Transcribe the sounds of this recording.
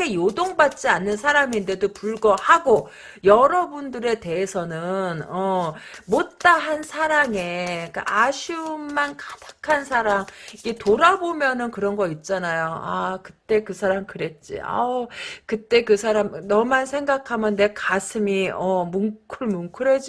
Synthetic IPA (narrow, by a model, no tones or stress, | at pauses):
ejodoŋbat̚t͡ɕ͈ianːɯnsʰaɾaminde̞dopuɭɡʌhaɡo | jʌɾʌbundɯɾe̞te̞ɦesʰʌnɯnʌmot̚t͈aɦansʰaɾaŋe̞k͈a̰ʔaɕʰummankʰḁdʰḁkʰansʰaɾaŋiɡe̞toɾabomjʌnɯnkɯɾʌnɡʌit̚t͡ɕ͈anajoa̰kɯt͈e̞kɯsʰaɾamkɯɾe̞t̚t͡ɕ͈ḭʌ̰kɯt͈e̞kɯsʰaɾamnʌmansʰe̞ŋɡakʰamjʌnːe̞kasʰɯmiʌmuŋkʰɯɭmuŋkʰɯɾed͡ʑ